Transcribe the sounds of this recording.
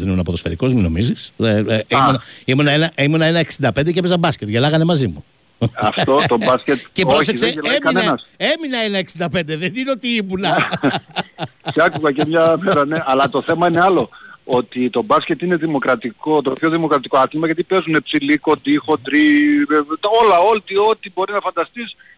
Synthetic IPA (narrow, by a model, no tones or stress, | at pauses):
inunɐpot̪ofeɾiko̞zmino̞̰miziseinɐimunɐenɐʔimunɐe̞nɐeksind̪ɐpend̪ecepezɐbɐscet̪ʝelɐɣɐne̞mɐzimu | ɐft̪ot̪obɐscet̪cepoçs̬ekseemkɐnenɐse̞minɐenɐeksind̪ɐpe̞nd̪e̞ðe̞nino̞t̪iimunɐ | ceɐkuɣɐcemɲɐmeɾɐneʔɐlɐt̪o̞θe̞mɐineɐlo̞ot̪it̪o̞bɐsce̞t̪ineðimo̞kɾɐt̪iko̞t̪o̞pço̞ðimo̞kɾɐt̪iko̞ɐθlimɐjʝɐt̪̬ipe̞zune̞psiliko̞nd̪ixo̞nd̪ɾieo̞lɐot̪io̞t̪ibo̞ɾinɐfɐnd̪ɐst̪is